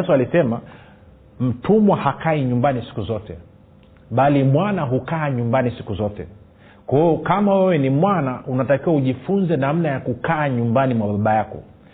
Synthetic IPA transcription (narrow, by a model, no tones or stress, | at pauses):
sɔalisɛma | m̩tumwahakaiɲumbanisi̥kuzɔtɛ̰ | ɓalimwanaɦukaːɲumbanisi̥kuzɔtɛ̰ | kwahiɔkamawɛwɛnimwanaʔunatakiwauʄifunzɛnam̩najakukaːɲumbanimwaɓaɓajakɔ̰